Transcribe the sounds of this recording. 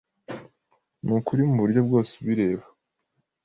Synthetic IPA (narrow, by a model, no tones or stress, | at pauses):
nukuɾimuβuɾɟo̞b̚ɡo̞ːse̥βiɾe̞ːβa